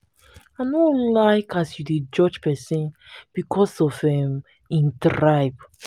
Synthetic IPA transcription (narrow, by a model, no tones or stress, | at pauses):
anolaɪkasjudid͡ʒɔd͡ʒpɛsĩnb̥ikʰɔsɔfɛ̃m | ĩntɹaɪb